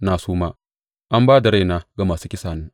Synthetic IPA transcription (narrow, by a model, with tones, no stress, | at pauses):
naː˨suː˦ma˦ | ʔa˦mbaː˦da˨ɾa˦jna˦ɡa˨maː˨suː˦kʲɪ˦saː˨neː˦